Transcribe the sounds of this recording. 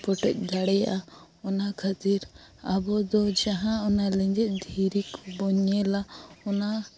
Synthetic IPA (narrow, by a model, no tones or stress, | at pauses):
pɔʈɛc̪̚ˀd̪aɽɛja̰ʔa | ɔnakʰat̪iɾ | abɔd̪ɔd͡ʒaɦãɔnalɛɲd͡ʒɛc̪̚ˀd̪ʱiɾikbɔɲɛlaɔna